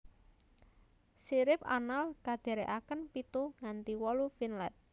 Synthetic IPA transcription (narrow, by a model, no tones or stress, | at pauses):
siɾɪpa̰nalkad̪̥e̤ɾeʔakənpit̪uŋant̪iwɔlufinlɛt̪̚